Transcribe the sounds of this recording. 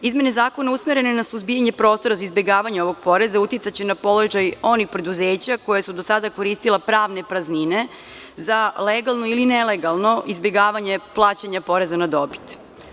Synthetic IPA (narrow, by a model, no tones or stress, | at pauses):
izme̞ne̞zaːko̞nausmeɾe̞nenasuzbijaɲe̞pɾo̞ːst̪o̞ɾazaizbje̞ɡaːʋaɲeo̞ʋo̞ɡ̚po̞ɾe̞zaut̪it̪sat͡ɕenapolo̞ʒajo̞nixpɾe̞d̪uzeːt͡ɕako̞jasud̪osad̪ako̞ɾiːst̪ilˠepɾaːʋne̞pɾaznine̞ | zaleɡalˠnoilineleɡalˠno̞ʔizbje̞ɡaːʋaɲe̞plˠaːt͡ɕaɲapo̞ɾe̞zanad̪o̞pi̥t̪